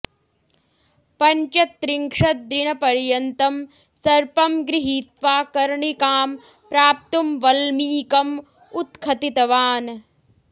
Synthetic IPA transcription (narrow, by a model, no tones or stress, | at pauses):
pɐɲt͡ʃɐt̪ɾiŋkʂɐt̪̚d̪ɾinɐpɐɾjɐnt̪ɐm | sɐɾpɐmɡɾiɦiːt̪ʋaːkɐɾɳikaːm | pɾaːp̚t̪umʋɐlmiːkɐm | ut̪kʰɐt̪it̪ɐʋaːn